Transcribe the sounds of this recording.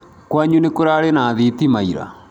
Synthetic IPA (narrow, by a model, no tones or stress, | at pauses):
kwaɲunekoɾaɾenaðit̪imaiɾa̰